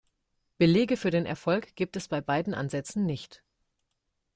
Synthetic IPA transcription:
b̥əleːɡəfyːɐdeːnʔɛ̰ɐfɔlkɡ̥iːp̚tɛsb̥aɪbaɪdn̩ʔa̰nzɛt͡sn̩nɪçt

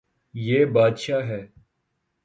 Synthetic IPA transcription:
jeːbaːd̪ʃaːɦɛː

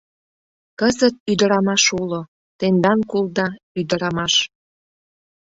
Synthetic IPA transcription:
kəzət̪̚yd̪əɾɑmɑʃulo | t̪end̪ɑnkulˠd̪ɑ | yd̪əɾɑmɑʃ

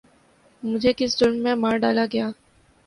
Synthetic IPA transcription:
mʊd͡ʒʱekɪsd͡ʒʊlmːẽmaːɾɖaːlaɡɐjaː

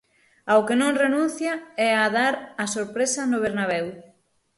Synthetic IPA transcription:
awkenõŋrenũnθjaɛaðaɾasoɾpɾesɐnʊβ̞eɾnaβ̞ɛw

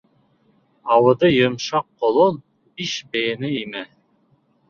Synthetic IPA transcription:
ɑwɤ̆d̪ɤjɤ̆mʃɑqːolˠon | biʃbenɘimɘ

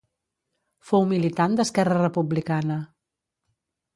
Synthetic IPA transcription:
fowmilit̪and̪əskɛrərəpuβlikanə

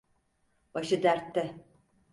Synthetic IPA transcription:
baʃɯd̪æɾt̪ʰːɛ

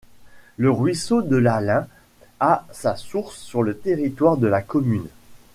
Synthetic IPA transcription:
ləʁɥisod̪əlalɛ̃ | asasuʁsːyʁlət̪eʁit̪waʁd̪əlakɔmyn

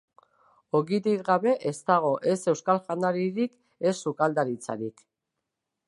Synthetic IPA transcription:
o̞ɣiðikɡaβe̞ʔest̪aɣ̞o̞ʔe̞se̞wskalʝand̪aɾiɾik | e̞sːukald̪aɾit͡sa̰ɾik

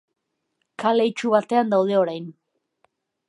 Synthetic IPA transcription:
kale̞jt͡ʃuβat̪e̞and̪awð̞e̞o̞ɾajn

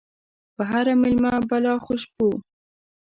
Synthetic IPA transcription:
pəɦaɾamɪlmabalɑxʊʃpu

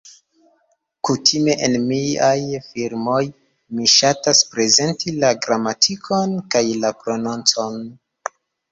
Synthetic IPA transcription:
kutʰime̞ʔenmiajfiɾmo̞j | miʃataspɾe̞ze̞ntilaɡɾamatʰikʰo̞nkajlapɾo̞nont͡so̞n

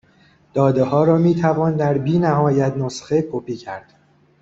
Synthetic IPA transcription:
d̪̥ɒːd̪eɦɒːɾɒːmiːt̪ʰævɒːnd̪æɾbiːnæɦɒːjæt̪nosxekʰopʰiːcʰæɾd̪̥

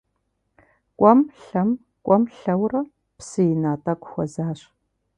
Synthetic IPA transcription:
kʷʼɔmɬɐm | kʷʼɔmɬɐwrɐ | psɨjɪnaːtʼɐkʷʼxʷɔzaːɕ

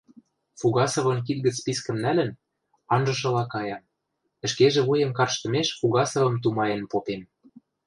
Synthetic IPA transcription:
fuɣɑsɤ̆βɤ̆nk̬it̪̚ɡə̆t͡spiskə̆mnælə̆n | ɑnʒɤ̆ʃ̬ɤ̆lɑkɑjɑm | ə̆ʃkeʒĕβujɤ̆mkɑrʃt̪ɤ̆meʃfuɣɑsɤ̆βɤ̆mt̪̬umɑenpopem

